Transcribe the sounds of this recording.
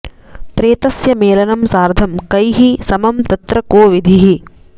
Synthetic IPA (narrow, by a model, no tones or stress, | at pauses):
pɾeːt̪ɐsjɐmeːlɐnɐmsaːɾd̪ʱɐmkɐjɦisɐmɐmt̪ɐt̪ɾɐkoːʋid̪ʱiɦi